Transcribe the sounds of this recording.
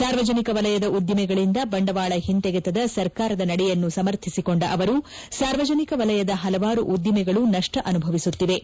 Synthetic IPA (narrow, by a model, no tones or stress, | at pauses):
saːɾʋɐd͡ʒɐnikɐʋɐlɐjɐd̪ɐʔud̪jɐmɛɡɐɭind̪ɐbɐɳɖɐʋaːɭɐɦint̪ɛɡɛt̪ɐd̪ɐsɐɾkaːɾɐd̪ɐnɐɽɛjɐnːusɐmɐɾt̪ʰisiko̞ɳɖɐʔɐʋɐɾu | saːɾʋɐd͡ʒɐnikɐʋɐlɐjɐd̪ɐɦɐlɐʋaːɾuʔud̪jɐmɛɡɐɭunɐʂʈɐʔɐnubʱɐʋisut̪ːiʋe̞